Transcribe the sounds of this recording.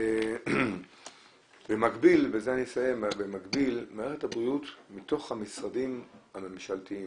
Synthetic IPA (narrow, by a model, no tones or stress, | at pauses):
e | bemaɡbilvezeanisajebemaɡbilmaeʁethabʁijutmito̞χhamisʁadimhame̞mʃaltii